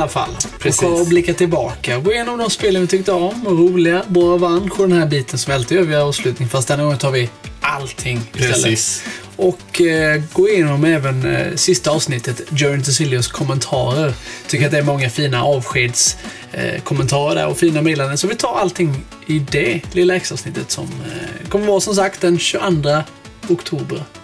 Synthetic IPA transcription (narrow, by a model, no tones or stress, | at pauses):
alːafa̰lːɔkʰɔɾɔblɪkːat̪ɪlbɑ̰ːkaɡoːɪjeːnɔmd̪ɔmspeːlənvɪt̪ʰʏk̚t̪əɔmːaɾuːlɪɡabɑːɾavanːpʰɔd̪ɛnhæːbiːt̪ənsɔmvɪalt̪ɪjøːɾvɪaɾɑːvslʉ̟ːt̪nɪŋfast̪̚d̪ɛnːaɡɔŋːənt̪ʰɑːɾvɪʔa̰lt̪ʰɪŋːɪst̪ɛlːə | ʔɔkɡoːɪjeːnɔmɛːvənsɪst̪aɑːvsnɪt̪ːət̪d̪ɔnt̪əsɪlɪʊskʰɔmːənt̪ʰɑ̰ːɾəɾt̪ʰʏkːɾat̪d̪ɛæɾmɔŋːafiːnaʔɑːvɧeːd̪s | kʰɔmːɛnt̪ʰɑːɾəɖæ̰ɾɔfiːnamɛd̪lanəsɔvɪt̪ʰɑːɾalt̪ʰɪŋː | ɪd̪ɛlɪlːɛksɑːvsnɪt̪ʰːət̪sɔ̰mkʰɔmːəɾvɑːɾsɔms̬ak̚t̪̚d̪ɛnɕɵʔand̪ɾa | ʊkt̪ʰuːbəɾ